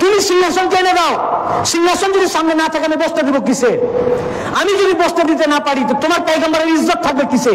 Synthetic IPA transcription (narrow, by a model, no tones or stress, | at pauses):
t̪umisiŋːasɔnkaned̪awsiŋːasɔnd͡ʒuɾisamnenat̪ʰakanebɔst̪ɔd̪ibokisʰe | amid͡ʒunibɔst̪ɔd̪it̪enapaɽit̪ɔt̪omarpajɡambaɾeizːɔt̪̚t̪ʰːak̚bekisʰe